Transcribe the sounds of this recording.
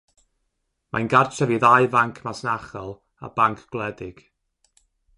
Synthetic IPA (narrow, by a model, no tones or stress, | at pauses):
ma̰jnɡart͡ʃʰaviðajvaŋkʰmasnaχɔlˠ | a̰baŋkʰɡ̥lˠɛdɪɡ̥